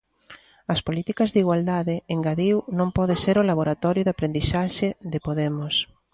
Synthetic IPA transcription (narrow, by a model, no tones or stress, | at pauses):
ɐspolit̪ikɐzðiɣwald̪aðɪeŋɡaðiwnõmpɔð̞eseɾʊlaβ̞oɾat̪ɔɾjʊðapɾend̪isaʃɪðɪpoðɛmʊs